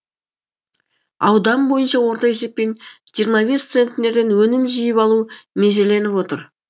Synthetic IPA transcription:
ɑ̰wd̪ɑmbo̞jənʃɑwo̞ɾt̪ɑe̞se̞p̚pːe̞nʒijəɾmɑβe̞st̪se̞nt̪ʲːɪne̞ɾd̪e̞nwɵnɪmʒijɪpɑlˠumeʒele̞nɪpwo̞t̪əɾ

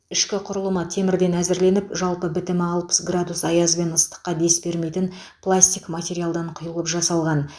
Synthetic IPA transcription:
ɪʃkʲɪqʰʊɾəlˠəmət̪ʰe̞mɪɾd̪e̞næzɪɾle̞nɪpʒɑlˠpəbɪt̪ɪmɪɑlˠpə̥sɡrad̪usɑjɑzbe̞nəst̪ə̥qːɑd̪e̞sbe̞ɾme̞jt̪ɪn | plˠasʲt̪ʲijkmatʲe̞ɾʲijalˠd̪ɑɴqʰʊjəlˠəpʒɑsɑlˠʁɑn

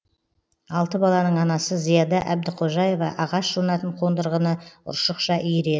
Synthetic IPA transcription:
ɑlˠt̪əbɑlˠɑnəɴɑnɑsəzijɑd̪ɑʔæb̚d̪ɪqʰo̞ʒɑje̞vɑʔɑʁɑʃʒonɑt̪əɴqʰo̞nd̪əɾʁənəʊ̰ɾʃəqʃɑʔʏjɾe̞ɪ

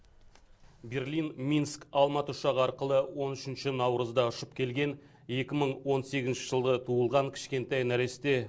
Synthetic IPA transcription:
be̞rlinminskɑlˠmɑt̪əʊʃɑʁəɑɾqəlˠəwo̞nʏʃɪnʃɪnɑwɾəzd̪ɑʊʃəp̚kʲʰe̞lɡʲe̞n | e̞kʲɪməɴwo̞nse̞ɡʲɪznʃɪʒəlˠd̪ət̪ʰuəlˠʁɑŋkʲʰɪ̥ʃkʲe̞nt̪ɑjnæɾe̞st̪e̞

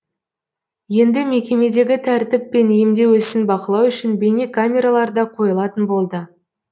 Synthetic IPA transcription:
je̞nd̪ɪme̞kʲe̞me̞d̪e̞ɡʲɪt̪ʰæɾt̪ɪpːe̞niɪmd̪e̞wɵsɪnbɑqəlˠɑwʏʃɪnbe̞ne̞kʰamʲe̞ɾalˠɑɾd̪ɑqʰo̞jəlˠɑt̪ənbo̞lˠd̪ə

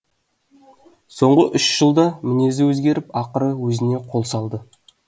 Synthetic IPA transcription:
so̞ɴʁəʔʏʃʒ̥əlˠd̪ɑmɪne̞zɪwɵzɡʲe̞ɾɪpɑqəɾəwɵzɪne̞qʰo̞lˠsɑlˠd̪ə

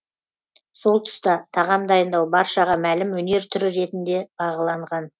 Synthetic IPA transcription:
so̞lˠt̪ʰʏ̥st̪ɑt̪ʰɑʁɑmd̪ɑjənd̪ɑwbɑɾʃɑʁɑmælɪmwɵne̞ɾt̪ʰʏɾɪɾe̞t̪ɪnd̪e̞b̥ɑʁɑlˠɑɴʁɑn

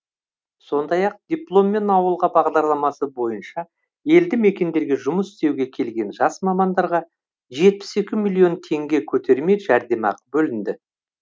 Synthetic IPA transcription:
so̞nd̪ɑjɑq̚d̪̥ʲiplˠo̞mːe̞nɑwəlˠʁɑbɑʁd̪ɑɾlˠɑmɑsəbo̞jənʃɑ | je̞ld̪ɪme̞kʲe̞nd̪e̞ɾɡʲe̞ʒʊməsɪ̥st̪e̞wɡʲe̞kʲʰe̞lɡʲe̞nʒɑsmɑmɑnd̪ɑɾʁɑ | ʒe̞t̪̚pɪ̥se̞kʲɪmilʲˠio̞nt̪ʰe̞ŋɡʲe̞kʲʰɵt̪ʰe̞ɾme̞jʒæɾd̪e̞mɑ̰qəbɵlɪnd̪ɪ

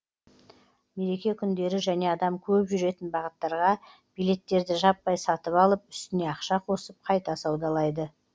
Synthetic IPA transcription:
me̞ɾe̞kʲe̞kʲʰʏnd̪e̞ɾɪʒæne̞ɑd̪ɑmkʲʰɵpʒʏɾe̞t̪ɪnbɑʁət̪ːɑɾʁɑ | b̥ijle̞t̪ːe̞ɾd̪ɪʒɑpːɑjsɑt̪əpɑlˠəpʏ̥st̪ɪne̞ɑqʃɑqʰo̞səp̚qʰɑjt̪ɑsɑwd̪ɑlˠɑjd̪ə

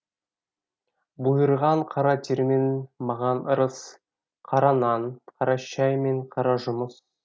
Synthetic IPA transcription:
bujəɾʁɑɴqʰɑɾɑt̪ʰʲeɾmenmɑʁɑnəɾəs | qʰɑɾɑnɑnqʰɑɾɑʃɑjmeɴqʰɑɾɑʒʊməs

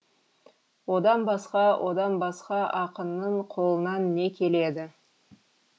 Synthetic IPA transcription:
wo̞d̪ɑnbɑsqɑwʔod̪ɑnbɑsqɑʔɑqənːəɴqʰo̞lˠənɑnːe̞kʲʰe̞le̞d̪ɪ

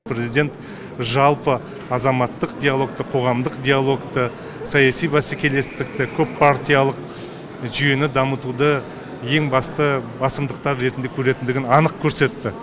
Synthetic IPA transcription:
pɾezijd̪ʲe̞nt̪ | ʒɑlˠpə | ɑzɑmɑt̪ːəqd̪ʲejalˠo̞k̚t̪əqʰo̞ʁɑmd̪əqd̪ʲijalˠo̞kt̪ə | sɑjɑsijbɑsekʲʰe̞le̞st̪ɪk̚t̪ɪkʲʰɵpːʰaɾt̪ʲijalˠəq | ʒʏje̞nɪd̪ɑmət̪ud̪ə | je̞ŋbɑst̪əbɑsəmd̪əqt̪ɑɾːe̞t̪ɪnd̪ekʲʰɵɾe̞t̪ɪnd̪ɪɡʲɪnɑnəq̚kʲʰɵɾse̞t̪ːɪ

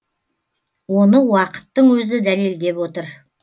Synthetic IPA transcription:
wo̞nəwɑqə̥t̪ːəɴwɵzɪd̪æleld̪e̞pwo̞t̪əɾ

